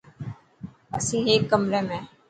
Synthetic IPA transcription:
əsĩːɦeːkːəmɾeːmɛ̃ː

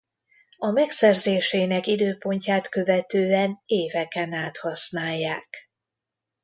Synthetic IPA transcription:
ɒmɛksɛrzeːʃeːnɛkid̪øːpo̞ɲcaːt̪kø̞vɛt̪øːɛneːvɛkɛnaːt̪hɒsnaːjːaːk

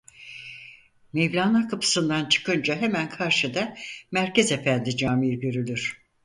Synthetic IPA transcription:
mevlʲaːnˠakʰapʰɯ̥sɯnd̪ant͡ʃʰɯ̥kʰɯnd͡ʒaɦe̞mænkʰaɾʃɯd̪amæɾcʰeze̞fænd̪id͡ʒaːmiɾɟøɾylʲyɾ̥

